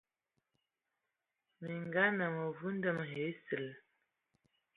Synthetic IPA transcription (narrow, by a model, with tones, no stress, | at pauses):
mi˨ŋɡa˦nə˨mə˨vu˦n̩˦də˦˨m˨ɦe˨˦sə˨l